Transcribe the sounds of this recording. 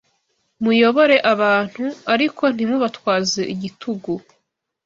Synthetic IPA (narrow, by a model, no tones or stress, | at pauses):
mujo̞βo̞ɾe̞ʔaβaːn̥huaɾikʰo̞n̥imuβatwaːzeʔiɟitʰuɡu